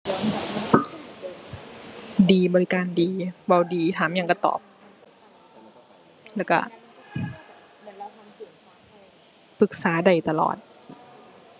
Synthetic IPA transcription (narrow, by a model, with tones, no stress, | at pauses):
diː˨˧bɔː˧˨li˦˧kaː˧ndiː˨ba˧˩wdiː˨˩t̪ʰaː˨˦mja˧˨ka˧˩t̪ɔ̰ː˨˩p̚ | lɛː˧˩wka̰˧˩ | pɯ˨˧˩k̚saː˩˦da˧˩jt̪a˧lɔ̰ː˨˩t̪̚